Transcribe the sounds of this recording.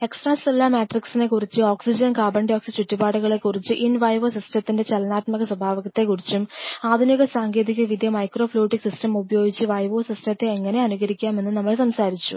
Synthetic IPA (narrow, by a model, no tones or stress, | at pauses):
e̞ksʈraːsilːɐmeːʈriksine̞kurit͡ɕːɨo̞ːksid͡ʑɐnkaːbɐɳɖoːksit͡ɕutːubaːɽuɣɐɭe̞kːurit͡ɕːɨʔinʋɐjʋoːsistɐt̪ːinde̞t͡ɕelɐnaːt̪mɐɣɐswɐbʱaːʋɐɣɐt̪ːe̞kːurit͡ɕːumaːd̪ʱinjɐɣɐsaːŋɡe̞ːd̪ikʲːɐʋid̪jɐmɐjkro̞ːfluːʈːiksistɐmubɐjo̞ːɡit͡ɕːɨʋɐjʋo̞ːsistɐt̪ːe̞ːŋːɐne̞ɐnuɣɐɾikʲːaːme̞nːɨnɐmːɐɭsɐmsaːɾit͡ɕːṵ